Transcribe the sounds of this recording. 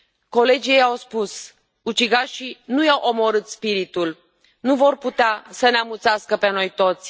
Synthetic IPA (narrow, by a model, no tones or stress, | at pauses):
ko̞le̞d͡ʒijejawspus | ut͡ʃiɡaʃinujawʔo̞mo̞ɾɨt̪spiɾit̪ul | nuvo̞rput̪easəneamut̪saskəpeno̞jt̪o̞t̪sʲ